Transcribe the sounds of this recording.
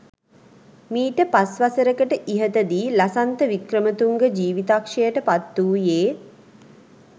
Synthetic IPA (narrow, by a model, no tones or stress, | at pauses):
miːʈəpasʋasəɾəkəʈəʔiɦət̪əd̪iːlasant̪əʋikrəmət̪uŋɡəd͡ʒiːʋit̪akʂejəʈəpat̪ːuːjeː